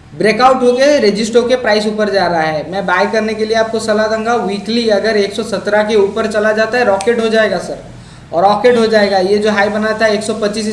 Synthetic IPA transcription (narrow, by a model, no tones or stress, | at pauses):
bɾeːkaʊʈɦoɡeɾed͡ʒɪsʈokepɾaːɪs̬uːpəɾd͡ʒaːɾɐɦaɦɛːmɛ̃ːbaːjkɐɾnekelieaːp̚kosɐlad̪ə̃ŋɡaʋiːkliɐɡəɾeːksɔsɐt̪ɾakeuːpəɾt͡ʃɐlad͡ʒaːt̪aɦɛɾɔːkeːʈɦod͡ʒaːeːɡasɐɾ | ɔ̰ːɾːɔːkeːʈɦod͡ʒaːeːɡaːjed͡ʒoːɦaːibɐnat̪ʰaɦeːksɔpɐtːt͡ʃiːs